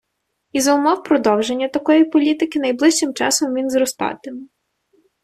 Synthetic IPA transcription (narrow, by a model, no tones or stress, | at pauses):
izɐʊmɔwpɾɔd̪ɔwʒe̞nʲːɐt̪ɐkɔjipɔlʲit̪ɪkʲɪnɐjblˠɪʃt͡ʃɪmt͡ʃɑ̰sɔmʋʲinzɾɔst̪ɑ̰t̪ɪm